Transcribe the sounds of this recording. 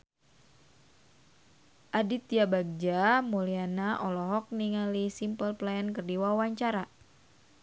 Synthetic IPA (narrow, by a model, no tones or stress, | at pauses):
ʔadit̪ijabaɡ̚d͡ʒamolianaʔɔlɔɦɔk̚niŋalisimpəlplaənkərdiwawaɲt͡ʃaɾa